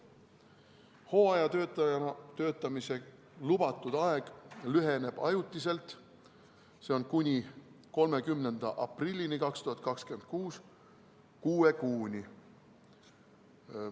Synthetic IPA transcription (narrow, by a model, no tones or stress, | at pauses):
ho̞ːɑjɑt̪øt̪ɑɑt̪ø̞ːt̪ːˑɑmise̞ | lub̥ɑt̪ːˑud̪̥ɑe̞ɡ̥lyɦe̞ne̞b̥ɑ̰jut̪ːˑise̞lt̪ | se̞onkunʲi | ko̞lme̞kymne̞nd̪̥ɑʔɑprilʲːinikɑkst̪uhɑt̪̚ˑkɑkskyen̥̚kuːs | kuːe̞kuːnʲi